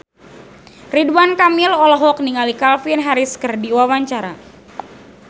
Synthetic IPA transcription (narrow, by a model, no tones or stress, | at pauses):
ridwankamilɔlɔɦɔk̚niŋalikalfinɦaɾiskərdiwawaɲt͡ʃaɾa̰